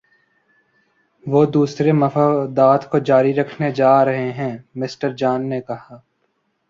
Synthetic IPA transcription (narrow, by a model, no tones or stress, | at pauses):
ʋoːd̪uːsɾemɐfaːd̪aːt̪kod͡ʒaːɾiɾɐkʰned͡ʒaːɾɐɦeɦɛ̃ːmɪsʈəɾd͡ʒaːnːekɐɦaː